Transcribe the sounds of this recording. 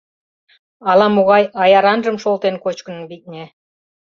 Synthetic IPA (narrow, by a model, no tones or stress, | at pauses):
ɑlˠɑmuɣɑjɑjɑɾɑnʒɤ̆mʃolˠt̪enkot͡ɕkə̆nə̆nbit̪̚ʲnʲe